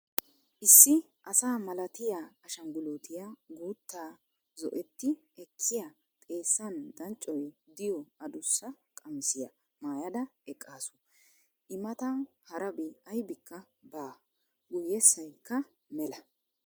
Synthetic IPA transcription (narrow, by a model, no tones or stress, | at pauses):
ʔɪsːɪ | ʔɐsaːmɐlɐt̪ɪjaːʃɐŋɡʊloːt̪ɪjaɡuːt̪ːaː | zɔ̰ʔɛt̪ːɪ | ɛkʰːɪjɐ | t̪ʼe̞ːsːɐnd̪ɐnt͡ʃʼːɔjd̪ɪjɔɐd̪ʊsːɐ | kʼɐmsɪjɐ | maːjɐd̪ɐɛkʼːaːsʊ̥ | ʔɪmɐt̪ɐ | hɐɾɐbɪɐjbɪkːɐ | baː | ɡʊjːɛsːɐjkːɐ | mɛlɐ